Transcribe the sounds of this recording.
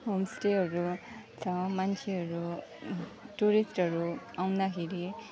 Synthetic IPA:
ɦomsʈeɦʌɾut͡sʰʌ̃mant͡sʰeɦʌɾu | ʈuɾisʈɦʌɾuawnakʰeɾi

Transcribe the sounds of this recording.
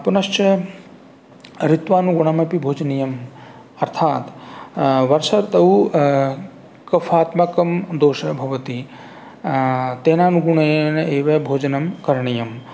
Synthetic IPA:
ɐpɐnɐʃt͡ʃɐ | ɾit̪ʋaːnuɡuɳ̃ɐmɐpibʱoːd͡ʒɐnijɐm | ɐɾt̪ʰaːt̪ | ʋɐɾsɐɾt̪ɐu | kɐfʰaːt̪mɐkɐmd̪oːʃɐbʱɐʋɐt̪i | t̪eːnaːnuɡuɳɐjnɐeːʋɐbʱoːd͡ʒɐnɐmkɐɾɳijɐm

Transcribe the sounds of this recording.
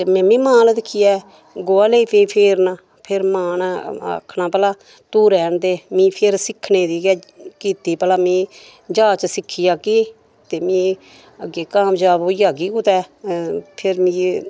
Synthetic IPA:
temɛ̃ːmĩːmãːld̪ɪkʰːɪjɛː | ɡoːaːleiːpẽːpʰeːɾnãː | pʰɪɾmaːna̰ːkʰnãːpəlaː | t̪uːɾɛːnt̪eːmĩːpʰeɾsɪkʰːneːd̪iːkɛː | kiːt̪iːpəlaːmĩː | d͡ʒaːt͡ʃsɪkʰːɪjaːkiː | t̪eːmĩː | əɡeːkaːmd͡ʒaːboːiːaːɡiːkʊt̪ɛː | pʰɪɾmĩː

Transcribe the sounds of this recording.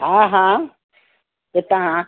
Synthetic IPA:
ɦãːɦã | t̪et̪ɐɦã

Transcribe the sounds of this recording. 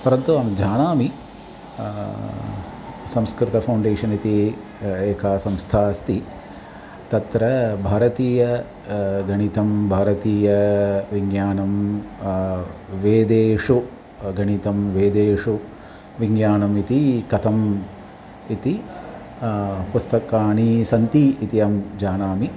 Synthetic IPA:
pɐɾɐnt̪ːuɐmd͡ʒaːnaːmi | sɐ̃mskɾɪt̪ɐpʰɐwɳɖeːʂɐnit̪i | eːkʰaːsɐ̃mst̪ʰaːst̪i | t̪ɐt̪ɾɐbʱaːɾɐt̪iːjɐ | ɡʱɐɳit̪ɐmbʱaːɾɐt̪iːjɐʋiŋɡjaːnɐm | ʋeːd̪eːʂu | ɡʱɐɳit̪ɐmʋeːd̪eːʂu | ʋiŋɡjaːnɐmit̪ikɐt̪ʰɐm | it̪i | pust̪ɐkaːɳisɐnt̪iːt̪ijɐmd͡ʒaːnaːmi

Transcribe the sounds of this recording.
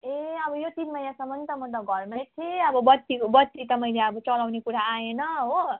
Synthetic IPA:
eʌbʌjot̪inmʌjnasʌmːʌnd̪t̪ʌmʌt̪̬ʌɡʱʌrmat̪ʰeʌbʌbʌt̪ːikobʌt̪ːit̪ʌmʌjleʌbʌt͡sʌlawnekuɾaaenʌɦo

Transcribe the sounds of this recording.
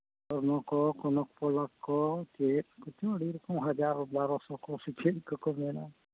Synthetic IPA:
ɔɾnɔkɔkɔnɔk̚pɔlakːɔkekut̪iɔɽiɾɔkɔmɦad͡ʒaɾɔbaɾɔsɔkɔsikʰeɽikɔkɔmɛna

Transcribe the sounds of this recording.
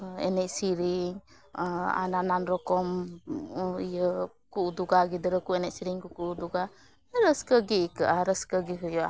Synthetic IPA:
ɛ̰nɛʔsiɾiŋ | a̰nananɾɔkɔm | ijə | kuʔuduɡaɡidəɾəkuɛnɛʔsiɾiŋkukuʔuduɡa | ɾəskəɡikəʔaɾəskəɡiɦɔjɔʔa

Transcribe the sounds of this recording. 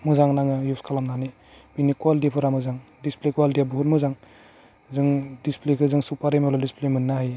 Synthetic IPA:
mɯzaŋnaŋɯjuskʰalamnani | binikwaldipʰɯɾamɯzaŋdisplekuwaldiabɦutmɯzaŋ | zɯŋdisplekʰɯzɯŋsupaɾemaladisplemɯnːahaj

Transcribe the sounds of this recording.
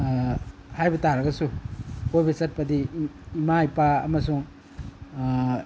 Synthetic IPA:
hajbɐtaɾɐɡɐsukojbɐsɐt̚pɐdiimajpaɐ̰mɐsuŋ

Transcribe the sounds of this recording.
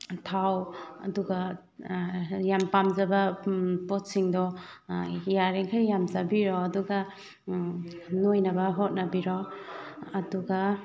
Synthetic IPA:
tʰawɐ̰duɡɐ | jampamzɐbɐpɔt̚siŋdɔ | jaɾeŋkʰajjamzabiɾɔːduɡɐ | nojnɐbɐɦɔt̚nɐbiɾɔ | ɐduɡɐ

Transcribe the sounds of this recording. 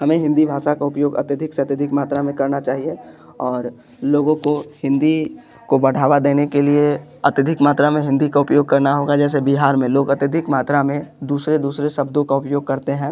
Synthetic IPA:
ɦɐmẽɦɪ̃nd̪ibʱaːʃakaʊpjoːɡɐ̰t̪jəd̪ʱɪkseɐt̪jəd̪ʱɪkmaːt̪ɾamẽkɐɾnat͡ʃaːɦie | ɔːɾ | loːɡõkohɪ̃nd̪i | kobɐɽ̤aːʋad̪eːnekelieɐt̪jəd̪ʱɪkmaːt̪ɾamẽɦɪ̃nd̪ikaʊpjoːɡ̚kɐɾnaɦoːɡad͡ʒɛːs̬ebiɦaːɾmẽloːɡɐt̪jəd̪ʱɪkmaːt̪ɾamẽd̪uːsɾed̪uːsɾesɐbd̪õkaʊpjoːɡ̚kɐɾt̪eɦɛ̃ː

